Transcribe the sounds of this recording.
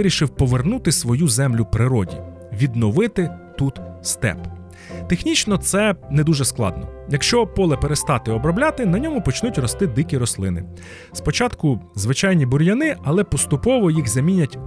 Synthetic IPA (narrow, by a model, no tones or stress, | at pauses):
ɪɾʲiʃɪwpɔʋernut̪ɪsʋɔjuzɛmlʲʊpɾɪɾɔdʲḭ | ʋʲid̪nɔʋɪt̪ɪt̪ut̪st̪ɛ̰p | t̪exnʲit͡ʃnɔt̪sɛnɛd̪uʒɛsklˠɑ̰d̪nɔ̰jɐkʃt͡ʃɔpɔlˠɛpeɾest̪ɑt̪ɪɔbɾɔblʲat̪ɪnɐnʲɔmʊpɔt͡ʃnutʲrɔst̪ɪd̪ɪkʲiɾɔslˠɪ̰nɪ̰ | spɔt͡ʃɑt̪kʊzʋɪt͡ʃɑjnʲibʊɾʲjɐnɪɐlˠɛpɔst̪ʊpɔʋɔjiɣzɐmʲinʲɐtʲ